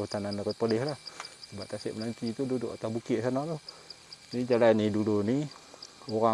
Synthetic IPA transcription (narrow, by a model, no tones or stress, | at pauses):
ut̪anandaɾəpolɛhlahsəbaʔ̚t̪asɪʔmənant̪it̪ududʊʔat̪abukɪʔ̪sanat̪o | nid͡ʒalaniduluni | oɾa